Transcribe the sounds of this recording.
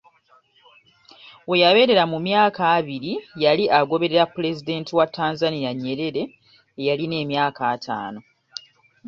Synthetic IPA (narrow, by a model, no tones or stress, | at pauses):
we̞jaβe̞ːɾe̞ɾamumjaːkaːβiɾijaliʔaɡo̞βe̞ɾe̞ɾapːule̞zide̞ːntʰiwatʰːaːnzanijaɲːe̞ɾe̞ɾe̞ː | jaline̞ːmjaːkaːtʰa̰ːno̞